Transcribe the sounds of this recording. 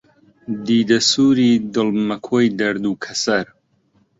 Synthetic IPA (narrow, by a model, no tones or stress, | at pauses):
d̪iːd̪ɐsuːɾiːd̪ɨlmɐkʰoːjd̪ɐɾd̪uːkʰɐsɐɾ